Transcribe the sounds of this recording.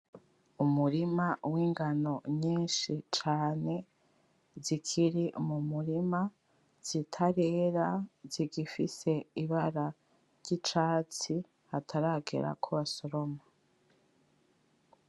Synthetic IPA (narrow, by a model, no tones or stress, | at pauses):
umuɾimawiːŋɡano̞ɲiːnʃit͡ʃaːne̞ | zikʰiɾimumuɾima | z̥itʰaɾe̞ːɾaziɡifise̞iβaɾa | ɾɟit͡ʃaːt͡si | hatʰaɾaːɡḛɾa̰kʰoβasoɾo̞ma